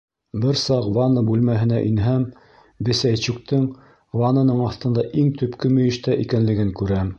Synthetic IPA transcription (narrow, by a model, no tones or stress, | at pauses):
bɘɾsɑqvɑnɤbʉlmæɦɘ̆næʔinɦæm | bɘ̆sæjt͡ɕʉk̚t̪ɤŋ | wɑnɤ̆nɤɴɑθt̪ɤ̆nd̪ɑʔiŋt̪ɵ̆pkɘmɵ̆jɘ̆ʃt̪æʔikænlɘ̆ɡɘŋkʉɾæm